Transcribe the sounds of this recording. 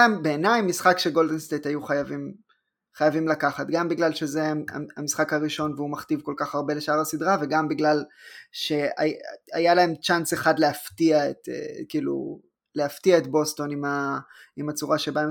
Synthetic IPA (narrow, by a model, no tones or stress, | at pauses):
aembe̞ːnajmːisχakʃeɡo̞ldenstetajuχajavim | χajavimlakaχatɡambiɡlalʃe̞zea̰a̰misχakaʁiʃo̞nveumaχtivko̞lkaχaʁbe̞le̞ʃaʁasidʁaveɡambiɡlalʃe̞a̰ajalae̞mʃanseχadleaftiaetḛkiːlṵ | leaftiaetbo̞sto̞nima | imat͡suʁaʃebaem